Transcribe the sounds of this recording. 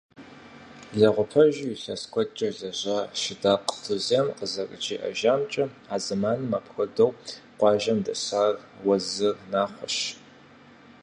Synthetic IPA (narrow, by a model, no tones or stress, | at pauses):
ɮɐʁʷʊpʰɐʒiɬɐskʷʰʼɔt͡ʃʼɐɮɐʑaʃɪdaːqɬɨzemqəzɐrʼɨt͡ʃʼiːʔɐ̰ʒaːmt͡ʃʼɐaːzɨmaːnɨmapxɐdɐwqʷɑːʒɐmdɐɕaːrwɐzɨrnaːχʷɔʃ